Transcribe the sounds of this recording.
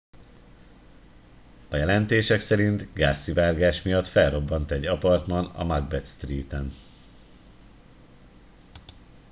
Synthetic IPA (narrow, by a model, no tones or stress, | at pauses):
ɒjɛlɛnt̪eːʃɛksɛɾint̪ɡaːsːivaːrɡaːʃmijɒt̪fɛlro̞bːɒnt̪ɛɟɒpɒrt̪mɒnɒ̰mɒɡbɛt̪st̪riːt̪ɛn